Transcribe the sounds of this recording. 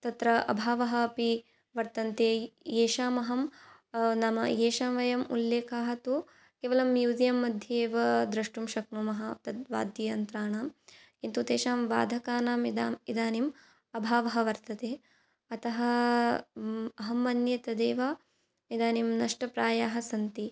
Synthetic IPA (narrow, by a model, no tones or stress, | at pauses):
t̪ɐt̪ɾɐʔɐ̰bʱaːʋɐɦɐɐpi | ʋɐɾt̪ɐnt̪eːjeːʃaːmɐɦɐm | nɐmɐ̰jeːʃaːmʋɐjɐmulːeːkʰaːɦɐt̪u | keːʋɐlɐmjuːzijɐmːɐd̪ʱjeːʋɐd̪ɾɐʂʈumʃɐk̚numɐɦɐt̪ɐd̪ʋa̰ːd̪jɐjɐnt̪ɾaːɳaːmkint̪ut̪eːʃaːmʋa̰ːd̪ʱɐkaːnaːmid̪aːmid̪aːnim | ɐbʱaːʋɐɦɐʋɐɾt̪ɐt̪eː | ɐt̪ɐɦɐ | ɐɦɐmːɐnjɐt̪ɐd̪eːʋaː | id̪aːnimnɐʂʈɐpɾaːjaːɦɐsɐnt̪i